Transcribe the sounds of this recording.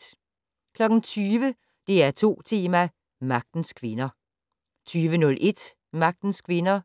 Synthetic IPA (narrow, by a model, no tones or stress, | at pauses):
kʰlɒ̽ɡ̥n̩t͡sʰyːʋə | d̥e̝æɐt͡sʰo̝̰ːt͡sʰe̝ːmæ | mɑ̈ɡ̥̚d̥n̩skʰʋe̝nɐ | t͡sʰyːʋənɔ̽lʔe̝d̥ | mɑ̈ɡ̥̚d̥n̩skʰʋe̝nɐ